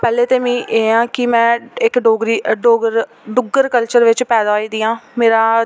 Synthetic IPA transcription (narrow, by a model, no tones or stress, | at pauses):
pɛːleːt̪eːmĩːʔeːãːkɪmɛ̃ːɪkɖoːɡɾiːɖoːɡəɾ | ɖʊɡəɾkəlt͡ʃəɾʋɪt͡ʃpɛːd̪aːoiːd̪iːãːmeːɾaː